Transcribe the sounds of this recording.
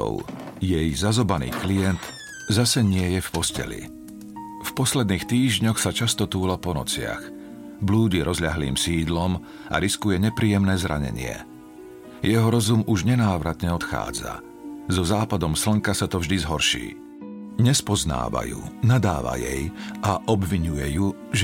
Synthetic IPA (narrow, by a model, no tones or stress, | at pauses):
ɔ̰ʊjɛjzazɔbanḭːklijɛnt̪ | zasɛɲɪɛjɛfpɔscɛ̰lḭ | fpɔslɛd̪niːxt̪iːʒɲɔxsat͡ʃast̪ɔt̪uːlapɔnɔ̰t͡sɪa̰x | bluːɟiɾɔzʎaɦlḭːmsiːd̪lɔm | a̰ɾiskujɛɲɛpɾiːjɛmnɛːzɾa̰ɲɛ̰ɲɪɛ̰ | jɛɦɔɾɔzumuʒɲɛnaːʋɾat̪ɲɛɔt̪xa̰ːd͡za̰ | zɔzaːpad̪ɔmsl̩ŋkasat̪ɔvʒd̪izɦɔɾʃḭː | ɲɛspɔzna̰ːʋa̰jṵnad̪a̰ːʋa̰jɛ̰jʔaʔɔbʋiɲujɛju | ʒ